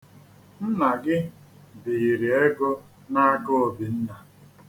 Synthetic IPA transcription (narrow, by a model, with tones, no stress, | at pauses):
n̩˦na˨ɡɪ˦ | bi˨i˨ɾi˨e˦ɡɔ˦ | na˦a˦ɡo˦˨bi˨n̩˦na˨